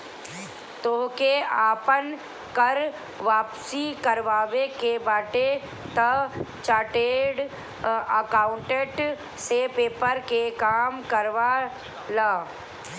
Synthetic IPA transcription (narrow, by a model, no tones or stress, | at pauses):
t̪oːkeaːpən | kəɾ | ʋaːpsikəɾʋaːʋekebaːʈe | t̪ɐt͡ʃaːʈeːɽ | əkaːʊɳʈeʈ | sepeːpəɾkekaːmkəɾʋaː | laː